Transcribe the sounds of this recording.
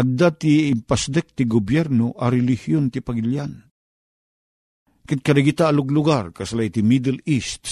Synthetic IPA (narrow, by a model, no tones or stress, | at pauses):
ʔɐɡ̚d̪at̪iːmpasd̪ɛk̚t̪ɪɡʊbjɛɾnoʔɐɾɛlɪhjont̪ɪpaɡɪljan | kɪd̪̚kɐɾaɡit̪aːlʊɡlʊɡarkɐslajt̪ɪmid̪ɛlist̪